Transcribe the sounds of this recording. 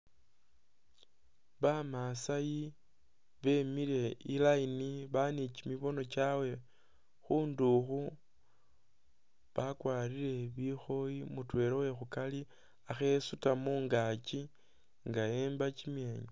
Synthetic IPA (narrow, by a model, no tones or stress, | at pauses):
βamasaji | βe̞miɾe̞ilainiβanit͡ʃimiβo̞no̞t͡ʃawe̞ | xuːnduxu | βakwaːɾile̞βixo̞jimutwe̞ɾowe̞xukali | axe̞sutamuːŋɡat͡ʃi | ŋɡaeːmbat͡ʃimje̞ːɲo